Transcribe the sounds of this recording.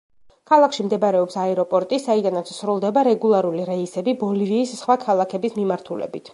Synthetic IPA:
kʰalˠakʰʃimd̪ɛbɾɛɔpsaɛɾɔpʼɔɾt̪ʼisaid̪anat̪ssɾulˠd̪ɛbaɾɛɡulˠaɾuliɾɛisɛbibɔliviːssχwakʰalˠakʰɛbismimaɾt̪ʰulɛ̰bit̪ʰ

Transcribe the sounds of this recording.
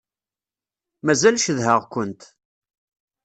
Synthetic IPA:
mæzælʃəðɦəʁkʷənt̪

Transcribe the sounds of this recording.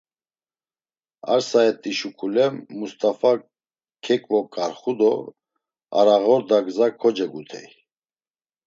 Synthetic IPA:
a̰ɾsaɛt̪ʼːiʃukʰulɛmːust̪ʼafa | kʰɛkʼvɔkʼaɾχud̪ɔ | a̰ɾaɣɔɾd̪aɡzakʰɔd͡ʒɛɡut̪ʰɛ̰j

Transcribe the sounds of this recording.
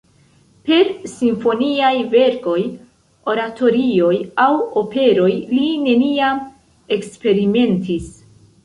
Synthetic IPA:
pe̞ɾsiɱfo̞niajve̞ɾko̞j | o̞ɾatʰo̞ɾio̞jawo̞pe̞ɾo̞jline̞niam | e̞kspe̞ɾime̞ntis

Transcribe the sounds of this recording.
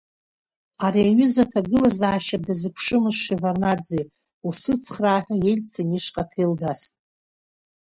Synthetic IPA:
aɾiaɥʏzatʰaɡɨlazaːʃadazɨpʷʰʂɨmɨzʂivarnad͡zej | usɨt͡sʰχraːħʷᶣajelʲt͡sʰaniʂqʼatʰejlɡastʼ

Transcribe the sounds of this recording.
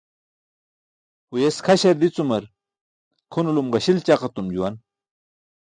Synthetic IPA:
hujeskʰɐɕɐɾd̪it͡sumɐɾ | kʰunulumʁɐɕilt͡ɕaqɐt̪umd͡ʑuwɐn

